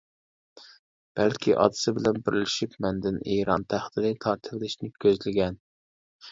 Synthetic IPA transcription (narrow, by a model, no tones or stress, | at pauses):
b̥ælkʲʰiʔɑ̰d̪ɨ̥sɪbɪlɛnbɪɾɪlɪʃipmɛnd̪ɪniːɾɑ̰nt̪ʰæχd̪ɪd̪ɪt̪ʰɑɾt̪ʰɨɾlɪʃnɪkʲʰøzlɪɡʲɛn